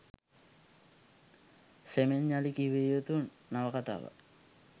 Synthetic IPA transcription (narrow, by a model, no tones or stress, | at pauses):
semenɲalikiβejot̪unːaβakat̪a̰βa̰